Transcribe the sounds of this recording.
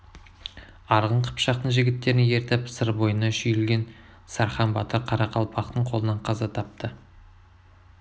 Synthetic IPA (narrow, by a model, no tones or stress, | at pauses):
ɑɾʁəɴqʰə̥pʃɑq̚t̪əɴʒɪɡʲɪt̪ːe̞ɾɪnje̞ɾt̪epsəɾbo̞jənɑʃʏjɪlɡʲe̞n | sɑɾχɑnbɑt̪əɾqʰɑɾɑqʰɑlˠpʰɑqt̪əɴqʰo̞lˠənɑɴqʰɑzɑt̪ʰɑp̚t̪ə